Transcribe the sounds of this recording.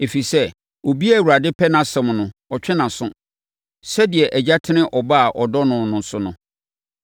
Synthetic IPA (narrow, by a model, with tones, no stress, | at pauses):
e˨fi˨sɛ˦ | o˨bi˦a˦˨wu˨ɾa˨dɪ˦pʰɛ˦nã˨sɛ̃˨m˨nʊ̃˨ɔ˨t͡ɕᶣʰɛ˦nã˨sʊ̃˦ | sɛ˦dɪ˨ɛ˨ʔæ˨d͡ʑa˦tʰɪ̃˦nɪ̃˦ʔɔ˨ba˦a˨ʔɔ˨dɔ˦nʊ̃˨nʊ̃˨sʊ˨nʊ̃˨